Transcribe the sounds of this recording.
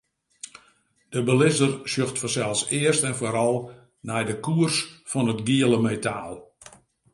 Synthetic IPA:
d̥əbəlɪzərsjøxtfɔnsɛlˠsɪərstɛnfoːɾɔlˠ | nɛjdəkuərsfɔnətɡiələmejtaːlˠ

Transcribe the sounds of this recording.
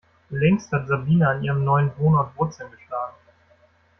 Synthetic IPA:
lɛŋsthatz̥abiːnaɪniːʁəmnɔʏənvoːnɔtv̥ʊt͡sənɡəʃlaːɡŋ̩

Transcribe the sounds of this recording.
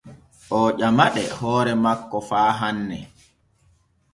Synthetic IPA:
ʔɔːʄamaɗɛhɔːɾɛmakːɔfaːɦanːɛ̰

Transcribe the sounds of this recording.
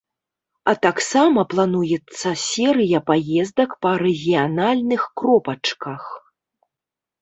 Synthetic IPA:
ɐt̪aksamɐplˠanujɛt̪sːɐsʲɛɾɨjɐpajɛzd̪ɐkpɐɾɛɣʲijanalʲnɨxkɾɔpɐt͡ʂkɐx

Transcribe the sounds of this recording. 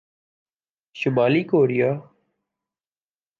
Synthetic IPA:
ʃʊmaːliːkoːɾɪjaː

